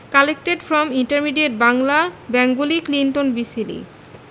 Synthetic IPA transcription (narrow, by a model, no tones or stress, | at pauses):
kalek̚ʈeɖfɾɔmiɳʈaɾmiɖeʈ̚baŋlabɛŋɡoliklinʈonbisilḭ